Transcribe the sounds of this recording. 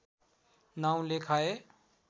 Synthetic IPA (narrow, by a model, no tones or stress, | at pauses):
naːũlekʰaːe